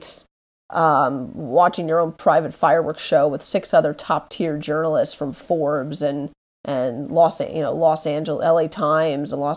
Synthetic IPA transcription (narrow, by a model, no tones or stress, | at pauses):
s | ʔʌ̃wɑt͡ʃɪ̃ŋjə˞õʊ̃npʰɹ̥aɪvɨtfaɪə˞wɜ˞kʃoʊwəð̥sɪksʌðə˞tʰɑp̚tʰɪɹd͡ʒɜ˞nl̩ˠɪstsfɹʌ̃ɱfɔɹbzɨ̃n | ʔɨ̃nlɔsjɨ̰noʊlɔsæ̃nd͡ʒl̩ˠzɛlˠeɪtʰãɪ̃mzə̃nlɔ